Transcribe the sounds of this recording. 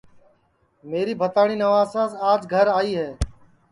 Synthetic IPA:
meːɾiːbʱət̪aːɽ̃iːnəʋaːsãːsaːd͡ʒɡʱəɾaːiːɦɛː

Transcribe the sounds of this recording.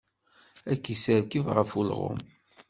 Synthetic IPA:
ækːisəɾkivʁəfulʁʊ̰m

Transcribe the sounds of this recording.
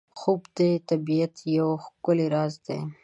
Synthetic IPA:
xubd̪et̪abijat̪jawxkʊleɾɑzd̪ḛ

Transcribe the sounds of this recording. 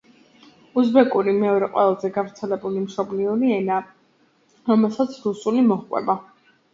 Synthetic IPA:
uzbɛkʼuɾimɛɔɾɛqʼwɛ̰lˠazɛɡavɾt̪sʰɛlɛbulimʃɔbliɔɾiɛna | ɾɔmɛlˠsat̪sʰɾusulimɔχkʼwɛ̰ba

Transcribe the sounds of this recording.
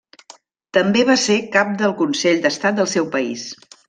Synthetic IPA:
t̪əmbeβasekap̚d̪əlˠkunseʎd̪əst̪at̪̚d̪əlˠsɛwpəḭs

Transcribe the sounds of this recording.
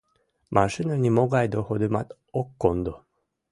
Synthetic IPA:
masɨnɯnʲimoɡaid̪ohod̪ɯma̰t̪ | okːond̪o

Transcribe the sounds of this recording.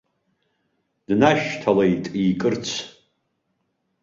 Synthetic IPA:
d̥naʃtʰalejtʼiːkʼɨrt͡sʷʰ

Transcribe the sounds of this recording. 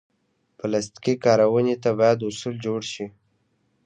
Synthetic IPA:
pəlast̪kikɑɾawənet̪abɑjad̪ʊsuld͡ʒoɽʃi

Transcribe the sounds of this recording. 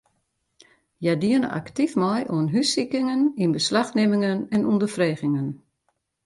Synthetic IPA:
jadiənə̰ʔa̰ktifmɔjʔuənɦysikɪŋəninbəslaxnɪmɪŋənɛnundəfreːɣɪŋən

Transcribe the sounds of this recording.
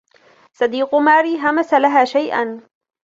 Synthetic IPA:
sˤɑd̪iːqʊmaːɾiːɦamasalaɦaːʃajʔa̰n

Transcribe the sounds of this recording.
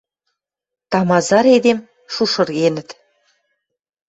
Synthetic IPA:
t̪ɑmɑzɑɾed̪em | ʃuʃɤ̆rɣenə̆t̪

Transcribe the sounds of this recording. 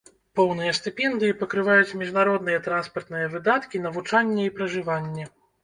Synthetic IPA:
pɔwn̪ɨjɐst̪ɨpʲɛnd̪ɨjipɐkɾɨvajut͡sʲmʲiʐnaɾɔd̪nɨjɛt̪ɾanspɐrt̪nɨjɐvɨd̪at̪kʲin̪ɐvut͡ʂanʲːɛipɾɐʐɨvanʲːɛ

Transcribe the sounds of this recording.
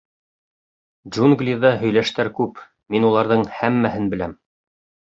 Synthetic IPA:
d͡ʒunɡlʲiðɑɦɵ̆jlæʃt̪æɾkʉp | minulˠɑɾðɤɴhæmːæɦɘnbɘ̆læm

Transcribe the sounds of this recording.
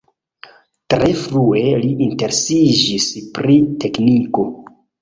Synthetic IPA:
tɾe̞fɾue̞liʔinte̞ɾesid͡ʒispɾite̞kniko̞

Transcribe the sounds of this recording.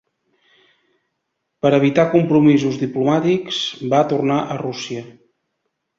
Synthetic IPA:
pəɾəβ̞it̪akumpɾumizuzd̪iplumat̪iksbat̪urnaʔərusiə

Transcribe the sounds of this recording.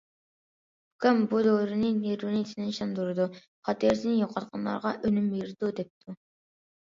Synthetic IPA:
kɛmbud̪oːɾɨnɨneɾunɪt̪ʰinɪnʃɑnd̪uɾɨd̪u | χɑt̪ʰeɾsɪnɪjoqʰɑt̪̚qʰɑnlˠɑ̰ɾʁɑʔønymeɾd̪ud̪ɛp̚t̪ʰu

